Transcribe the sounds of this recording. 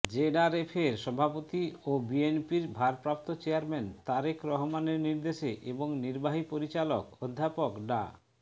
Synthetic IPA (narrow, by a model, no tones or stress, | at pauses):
d͡ʑeɖaɾefʰeɾʃɔbʱapot̪iobienpiɾbʱaɾpɾap̚t̪ot͡ɕeaɾment̪aɾekʰɾɔɦomaneɾniɾd̪eʃeʔeboŋniɾbaɦipoɾit͡ɕalokod̪ʱːapokɖa̰